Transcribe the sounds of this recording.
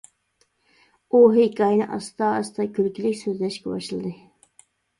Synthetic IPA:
oɦekʲɑjnɨʔɑ̰st̪ɑːst̪ɑkʲʰylkʲilɪkʲsøzlɛʃkʲɛbɑ̰ʃlˠɨd̪ɨ

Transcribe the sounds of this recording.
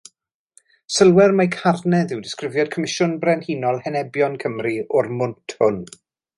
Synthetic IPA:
səlˠwɛrmajkʰarnɛðɪwdɪskrɪvjɔd̥̚kʰɔmɪʃʊnbrɛnhiːnɔlˠhɛnɛbjɔnkʰəmriɔrmʊntʰhʊn

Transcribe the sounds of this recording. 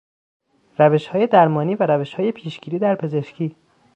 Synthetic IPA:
ræve̞ʃhɒːje̞d̪æɾmɒːniːvæɾæveʃhɒːje̞pʰiːʃɡ̥iːɾiːd̪æɾpʰe̞zeʃcʰiː

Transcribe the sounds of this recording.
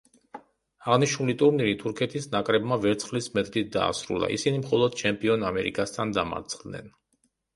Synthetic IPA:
aʁniʃnulit̪ʼuɾniɾit̪ʰuɾkʰɛt̪ʰisnakʼɾɛbmavɛɾt̪sʰχlismɛt̪ʼlit̪̚d̪a̰ːsɾṵlˠa̰ʔḭsinimχɔlˠɔd̪̥̚t͡ʃʰɛmpʼiɔnamɛɾḭkʼast̪ʰand̪ama̰ɾt̪sʰχld̪nɛ̰n

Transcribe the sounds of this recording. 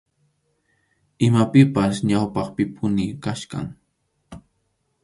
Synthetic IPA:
ɪmapɪpas̬ɲawpɑχpɪpʰʊnɪkaʃka̰ŋ

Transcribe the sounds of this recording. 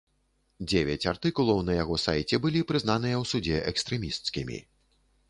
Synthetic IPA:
d͡zʲevʲɛt͡sʲart̪ɨkulˠɐwnɐjaɣɔsajt͡sʲɛbɨlʲipɾɨznanɨjɐwsud͡zʲɛʔɛkst̪ɾɛmʲist̪skʲimʲḭ

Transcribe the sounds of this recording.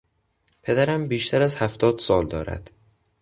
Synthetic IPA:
pʰe̞d̪æɾæmbiːʃt̪ʰæɾæzhæft̪ʰɒːd̪sɒːld̪ɒ̰ːɾæ̰d̪̥

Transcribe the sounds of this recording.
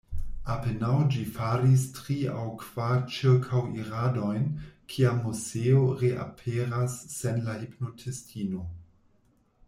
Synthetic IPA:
apenawd͡ʒifaɾistɾia̰wkv̥aɾt͡ʃiɾkʰawiɾado̞jnkʰiamuzeoɾeʔa̰pʰeɾasːenlahipno̞tʰestʰino̞

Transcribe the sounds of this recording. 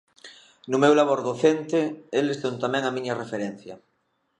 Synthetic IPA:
nʊmewlaβoɾðoθent̪eelest̪ont̪amɛ̃ŋamĩɲɐrefeɾɛn̟θjɐ

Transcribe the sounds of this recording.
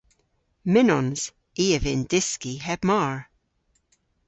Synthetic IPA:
mɪnɔnz̥ | iːəvɪndɪskihɛb̥maːɹ

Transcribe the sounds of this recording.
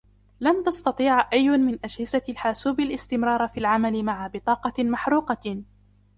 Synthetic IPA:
lamt̪ɑst̪ɑt̪ˤiːʕʔajːʊmɪnʔad͡ʒhɪzalħaːsuːbalʔɪst̪ɪmɾˤɑːɾˤfiːlʕamalɪmaʕabɪt̪ˤɑːqɑmaħɾuːqɑ

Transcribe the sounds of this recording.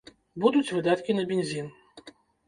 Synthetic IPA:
bud̪ut͡sʲvɨd̪at̪kʲinɐbʲenʲzʲin

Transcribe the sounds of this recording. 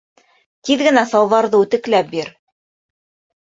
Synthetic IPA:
t̪iðɡɘ̆næsɑwðɑɾðɤʉt̪ɘ̆klæp̚biɾ

